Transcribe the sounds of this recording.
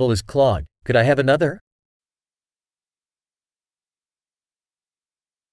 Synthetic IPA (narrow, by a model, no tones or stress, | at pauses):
l̩ˠəz̥kʰl̥ɔɡ̚kʰɨɾaɪɨvɨnʌðə˞